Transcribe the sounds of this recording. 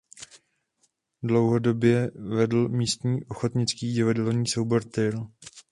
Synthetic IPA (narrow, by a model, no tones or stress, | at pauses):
dlo̞wɦo̞do̞bjɛvɛdl̩miːst̪ɲiːʔoxot̪ɲɪt͡skiːɟɪvadɛlɲiːso̞wbo̞ɾt̪ɪl